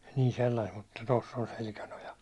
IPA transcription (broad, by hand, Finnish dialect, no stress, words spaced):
niː selːɑist mutːɑ tosː on selkænojɑ